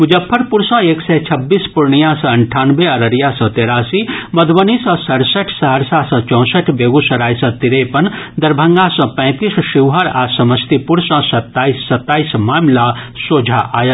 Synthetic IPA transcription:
mʊd͡ʒəpʰːəɾpuɾsə̃eːksɛt͡ʃʰɐbːiːspuɾɳijãsɐ̃ɐɳʈʰaːnʋeɐɾəɾjasɐ̃t̪eːɾaːsimɐd̪ʋənisɔ̃sɐɽsəʈʰsɐɦəɾsasɐ̃t͡ʃɔ̃ːsəʈʰbeːɡusɐɾaːjsɐ̃t̪iɾepɐnd̪ɐɾbʱə̃ŋɡasɐ̃pɛ̃ːt̪isʃiʋɦəɾaːsɐməst̪ipuɾsɐ̃sɐt̪ːaːisːɐt̪ːaːismaːmlasoːd͡ʒʱaʔaːjɐ

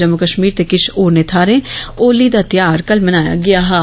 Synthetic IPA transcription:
d͡ʒəmʊkəʃmiːɾt̪eːkɪt͡ʃʰoːɾneːt̪ʰaːɾẽːoːliːd̪aːt̪jaːɾkəlmənaːja̰ːɡɪaːɦaː

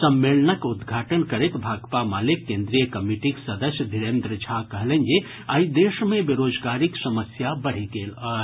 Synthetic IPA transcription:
səmːelnəkud̪ɡʱaʈənkəɾet̪bʱaɡpamalekːẽnd̪ɾijəkəmiʈiksəd̪əsjəd̪ʱiɾend̪ɾəd͡ʒʱakəɦlənje | aid̪esmẽbiɾod͡ʒɡaɾiksəməsjabəɽ̤eɡelə

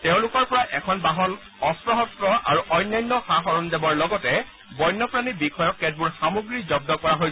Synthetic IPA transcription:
teʊ̃lʊkɔɹpɔɹaʔɛkʰɔnbaɦɔn | ɔsɹɔɦɔsɹɔʔa̰ɹuʔɔjnːajnːɔxaxɔɹɔndebɔɹlɔɡɔtɛ | bɔjnːɔpɹanibikʰɔjɔkːɛd̚buɹxamoɡɹizɔb̚dɔkɔɹaɦoj

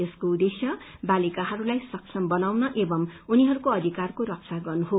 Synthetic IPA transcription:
eskoud̪esjʌbalikaɦʌɾulajsʌksʌmbʌnawnʌʔebʌmuniɦʌɾukoʌd̪ʱikarkoɾʌk̚t͡saɡʌrnuɦo

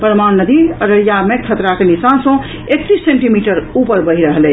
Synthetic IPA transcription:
pɾəmannəd̪iəɾəjamekʰət̪ɾakenisansə̃ | ek̚t̪isːeɳʈimiʈəɾupəɾbəɦiɾəɦəlɛ

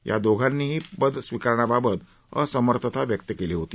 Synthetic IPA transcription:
jʔa̰d̪oɡʱanːiːɦiːbəd̪ʱsʋikaɾɳ̃ababət̪ | ə̰səməɾt̪ʰət̪ʰaʋjək̚t̪əkeliɦot̪iː

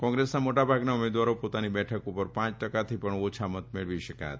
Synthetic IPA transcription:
kɔ̃ŋɡɾesnamoʈabʱaɡnaumed̪ʋaɾopot̪anibɛʈʰəkupəɾpãt͡ʃʈəkat̪ʰipəɳot͡ʃʰamət̪meɭʋiʃəka̰t̪

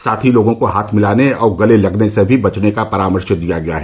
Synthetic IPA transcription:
saːt̪ʰiloːɡõkoɦaːt̪ʰmɪlaːneɔːɾɡɐlelɐɡnesebʱibɐt͡ʃnekapɐɾaːməɾʃəd̪ijaɡɐja̰ɦɛː

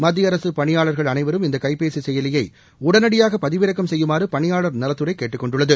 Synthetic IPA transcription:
mɐd̪ːɪɐɾɐsɯpɐɳɪjaːɭɐɾɣɐɭɐnɐɪʋɐɾɯmɪnd̪ɐkɐɪpeːsisɛjɐlɪjɐɪ | ʊɽɐnɐɽɪjaːɣɐpɐðɪʋɪɾɐkːɐmsɛjːɯmaːrɯpɐɳɪjaːɭɐɾnɐlɐt̪ːɯɾɐɪkːeːʈːɯkːɔɳɖɯɭːɐðɯ

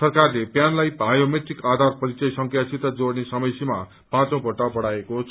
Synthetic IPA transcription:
sʌrkarlepjanlajbʱajomet̪rikad̪ʱarpʌɾit͡sʌjsʌŋkʰjasʰit̪ʌd͡zoɽnesʌmʌjsima | pãt͡sõw̃bʱʌʈʌbʌɽaekot͡sʰ

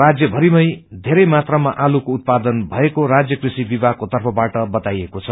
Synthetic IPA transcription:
ad͡zjʌbʱʌɾimʌjd̪ʱeɾʌjmat̪rʌmaʔalukout̪̚pad̪ʌnbʱʌekoɾad͡zjʌkrisibibakot̪ʌrpʰʌbaʈʌbʌt̪ajekot͡sʰʌ

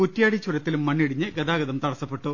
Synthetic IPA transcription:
kutːijaːɽit͡ɕːuɾɐt̪ːilumːɐɳːiɽiɲːɨɡɐd̪aːɡɐðɐmt̪ɐɽɐsːɐpːe̞ʈːu

